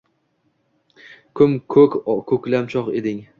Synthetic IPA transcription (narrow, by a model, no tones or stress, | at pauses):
kʰʊmkʰɵkʲkʰɵkʲlamt͡ʃʰɒqḛd̪ɪŋ